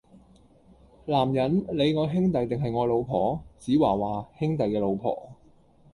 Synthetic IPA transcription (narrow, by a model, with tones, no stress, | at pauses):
laː˨˩mjɐ˨˥nle˨˧jŋɔː˨˧ɦɪ˥ŋt̪ɐ˨jt̪ɪ˨ŋɦɐ˨jŋɔː˨˧lo˨˧wpʰɔː˨˦t͡siː˨˥waː˨˩waː˨˩hɪ˥ŋt̪ɐ˨jkɛː˧lo˨˧wpʰɔ̰ː˨˩